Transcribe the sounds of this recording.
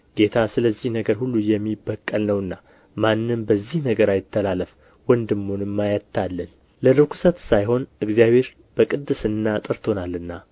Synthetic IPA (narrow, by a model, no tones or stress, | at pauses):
ɡ̥e̞t̪ʰasɨləzːihnəɡəɾhulːujɛmːibːəkʼːəlnəwɨnːa | manːɨmbəzːihnəɡəɾajɪt̪ʰːəlaləf | wənd̪ɨmːonɨmːajət̪ʰːalːən | ləlɨkʰu̥sət̪sajɦo̞nʔɨɡzijaβhe̞ɾ | b̥əkʼɨd̪ːɨsɨnːat̪ʼɨɾt̪ʰo̞nalːɨnːa